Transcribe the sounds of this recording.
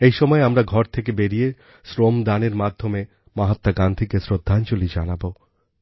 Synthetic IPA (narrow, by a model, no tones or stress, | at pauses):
ejʃɔmɔeamɾaɡʱɔɾt̪ʰekebeɾie | sɾomd̪aneɾmad̪ʱːome | maɦat̪ːaɡand̪ʱikesɾod̪ʱːant͡ɕolid͡ʑanabo